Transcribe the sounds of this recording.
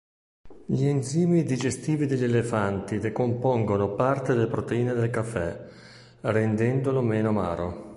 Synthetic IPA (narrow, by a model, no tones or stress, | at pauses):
ʎienziːmid̪id͡ʒest̪iːvid̪iʎːelefant̪id̪ekompoŋɡonopart̪ed̪elepɾot̪eiːned̪elkafːɛ | rend̪ɛnd̪olomeːnoma̰ːɾo̰